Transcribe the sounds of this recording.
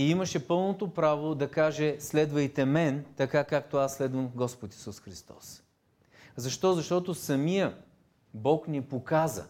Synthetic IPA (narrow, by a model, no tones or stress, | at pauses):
iimɐʃɛpɤlˠnot̪opɾavod̪ɐkaʒɛslɛd̪vɐjt̪ɛmɛnt̪ɐkakak̚t̪oasːlɛd̪vɐmɡɔspot̪i̥susxɾist̪ɔ̰s | zɐʃt̪ɔzɐʃt̪ɔt̪osɐmijə | bɔknɛpokazə̰